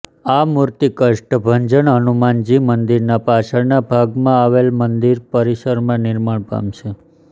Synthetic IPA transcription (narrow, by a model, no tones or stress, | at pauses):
amuɾt̪ikəʂʈbʱəɲd͡ʒəɳənumand͡ʒimənd̪iɾnapat͡ʃʰəɭnabʱaɡmãaʋelmənd̪iɾpəɾiʃəɾmãnɪɾmaɳpa̰mʃʰe